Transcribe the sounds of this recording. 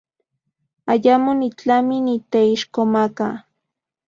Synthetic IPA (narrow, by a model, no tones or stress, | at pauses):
aʎamʊnɪt͡ɬamɪnɪt̪aɪʃkomaka